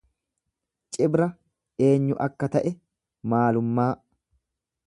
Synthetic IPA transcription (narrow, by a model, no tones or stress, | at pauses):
t͡ʃʼɪbɾɐ | e̞ːɲːʊʔɐkːɐt̪ɐʔɛ | maːlʊmːaː